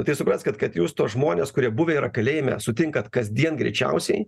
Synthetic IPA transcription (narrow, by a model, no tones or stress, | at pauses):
t̪ɐɪsʊpɾɐnsʲkɐt̪kɐt̪juːst̪oːsʒmoːnʲeːskʊɾʲiɛbʊʋʲeiɾɐkɐlʲeːjɛmʲɛ̰sʊt̪ʲɪŋkɐt̪kɐzʲd̪ʲiɛnɡɾʲɛ̰ɪt͡ʃʲɛ̰ʊsʲɛɪ